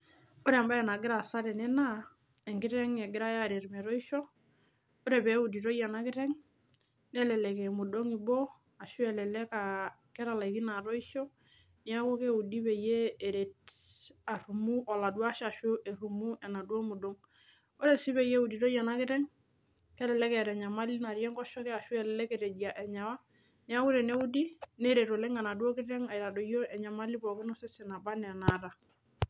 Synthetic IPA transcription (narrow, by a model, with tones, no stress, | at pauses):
o˦ɾe˦a˨mba˦ɛ˨na˨ɡɪ˦ɾa˨sa˦ɾɛ˨nɛ˦na˦ | e˨ŋɡi˦ɾɛ˦ŋe˨ɡɪ˦ɾa˦ja˦˨ɾe˨ɾmɛ˨ɾo˦i˦ʃo˦ | o˦ɾe˨be˨˦u˨di˨ɾo˦ja˨na˦ki˦ɾɛ˦ŋ | nɛ˦lɛ˨lɛ˨ke˨mu˨do˦ŋi˨bo˦ | a˨ʃu˦ɛ˨lɛ˨lɛ˦ka˨kɛ˦ɾa˨la˨i˨ki˦na˨ɾo˦i˦ʃɔ˦ | ni˨a˦ko˦ke˦u˨di˦be˨jeː˦˨ɾe˨t | a˨ɾu˨mu˦ʔɔ˨la˨dwa˦ʃa˨ʃo˦ʔe˨ɾu˨mu˦ʔɛ˨na˨dwo˦mu˨do˦ŋ | o˦ɾe˨si˦be˨je˦u˨di˨to˦ja˨na˦kɪ˦tɛ˦ŋ | kɛ˦lɛ˨lɛ˦kɛ˨ɾɛ˨ɲa˨ma˦li˦na˨ɾjɛ˦ŋɡɔ˦ʃɔ˦kɛ˦a˨ʃɛ˦˨lɛlɛ˦ke˨ɾe˨di˨a˨ʔɛ˨ɲa˨wa˦ | ni˦a˦ku˦ɾe˨ne˦u˦di˦ne˦ɾe˨to˨lɛ˦ŋa˨na˨du˦o˦kɪ˦tɛ˦ŋa˨i˨ɾa˨do˨jo˦ɛ˨ɲa˨ma˦li˦bɔ˨ke˦nɔ˦se˦si˨na˨ba˦nɛ˨na˨ɾa˨